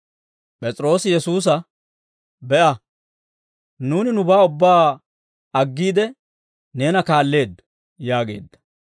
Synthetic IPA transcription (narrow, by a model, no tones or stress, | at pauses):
pʼɛt͡sʼɾo̞ːsɪjɛsuːs̬ɐ | bɛʔɐ | nuːnɪnʊbaːʊbːaː | ɐɡːiːd̪ɛ | ne̞ːnɐkaːlːe̞ːd̪ːʊ | jaːɡe̞̰ːd̪ːɐ̥